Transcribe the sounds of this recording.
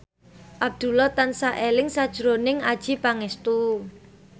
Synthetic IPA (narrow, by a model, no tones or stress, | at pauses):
ʔab̚d̪̥ṳlɔt̪ansaʔelɪŋsad̥ʒ̥ɾonɪŋad̥ʒ̥ipaŋɛst̪u